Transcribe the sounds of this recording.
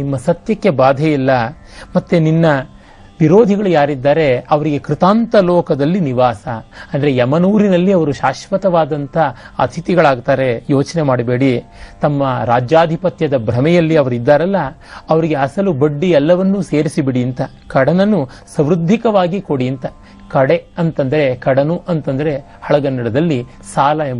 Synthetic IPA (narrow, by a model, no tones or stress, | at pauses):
imːɐsɐt̪jɐkːe̞baːd̪ʱɐjilːɐ | mɐt̪ːeninːɐ | ʋiɾoːd̪ʱiɡɐɭujaːɾid̪ːaːɾe̞ɐʋɐɾiɡe̞kɾit̪aːnt̪ɐlɔːkɐd̪ɐlːiniʋaːsɐɐnd̪ɐɾe̞ɛmɐnuːɾinɐlːiɐʋɐɾuʃaːʃʋɐt̪ɐʋaːd̪ɐnt̪ʰɐɐ̰t̪ʰit̪iɡɐɭaːɡt̪aːɾe̞joːt͡ʃne̞maːɽibeːɽit̪ɐmːɐɾaːd͡ʒjaːd̪ʱipɐt̪jɐd̪ɐbʱɾɐmɛjɐlːiɐʋɐɾid̪ːaːɾɐlːɐː | ʋɐɾiɡeɐsɐlubɐɖːiɛlːɐʋɐnːuse̞ːɾisibiɽiɐnt̪ɐ | kɐɽɐnɐnːu | sɐ̃mɾud̪ʱːikɐʋaːɡiko̞ɽiɐnt̪ɐ | kɐɽe̞ɐnt̪ɐnd̪ɐɾe̞kɐɽɐnuʔɐnt̪ɐnd̪ɐɾe̞ | hɐɭɐɡɐnːɐɽɐd̪ɐlːi | saːlɐem